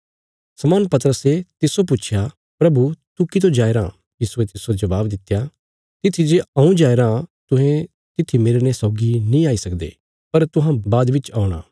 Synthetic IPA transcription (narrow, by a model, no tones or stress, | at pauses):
sɐmaːnpɐt̪əɾəset̪ɪsop̬ʊt͡ʃʰja | pɾɐbut̪ukit̪̬õd͡ʒaːeɾãː | jiːsuet̪ɪsod͡ʒɐʋaːbd̪ɪt̪ːja | t̪ɪt̪ʰid͡ʒeɐ̃ũd͡ʒaːeɾãːt̪ʊɦẽ | t̪ɪt̪ʰimɪɾnesɔːɡinĩaːisɐkd̪ḛː | pɐɾt̪ʊɦãbaːd̪ʋɪt͡ʃaːʊɽ̃a̰ː